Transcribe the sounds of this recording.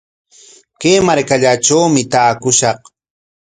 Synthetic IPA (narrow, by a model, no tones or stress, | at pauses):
keːmaɾkaʎaʈ͡ʂawmɪt̪aːkʊʃɑq